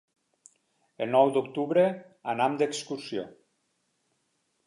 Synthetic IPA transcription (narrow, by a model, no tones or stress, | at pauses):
elnɔwd̪ukt̪uβɾe | anamd̪ekskuɾsio̰